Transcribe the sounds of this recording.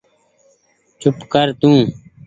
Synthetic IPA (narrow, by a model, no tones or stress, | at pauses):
t͡ʃʊpkəɾt̪ũː